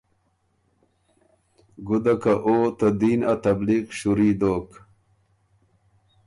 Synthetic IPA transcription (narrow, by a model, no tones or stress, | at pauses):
ɡud̪akaʔoːt̪ad̪iːnat̪ɐbliqɕuɾiːd̪oːk